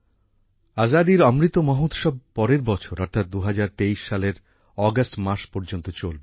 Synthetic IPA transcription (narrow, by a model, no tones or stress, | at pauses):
azad̪iɾɔmɾit̪ːomɔɦot̪ʃɔb̚pɔɾeɾbɔt͡ɕʰoɾɔɾt̪ʰat̪̚d̪uɦad͡ʑaɾt̪eiʃːaleɾ | ɔɡasʈmaɾʃpɔɾd͡ʑont̪ot͡ɕolbe